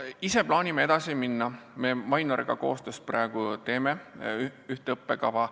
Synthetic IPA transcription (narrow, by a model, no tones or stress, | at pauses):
iseplɑːnʲimeed̪̥ɑsiminːɑme̞mɑjnoɾeɡ̥ɑ̰ko̞̰ːst̪øːst̪̚prɑe̞ɡ̥ut̪e̞ːme̞ | yht̪eɤpːe̞kɑvɑ